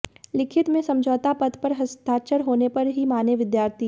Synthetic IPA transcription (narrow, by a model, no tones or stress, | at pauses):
lɪkʰɪt̪mẽsɐ̃md͡ʒʱɔːt̪apɐd̪pɐɾɦɐst̪ʰaːt͡ʃəɾɦoːnepɐɾɦimaːneʋɪd̪jaːɾt̪ʰi